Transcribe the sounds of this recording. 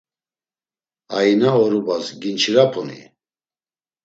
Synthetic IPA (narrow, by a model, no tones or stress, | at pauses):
ainaɔɾubasɡint͡ʃʰiɾapʰɔnḭ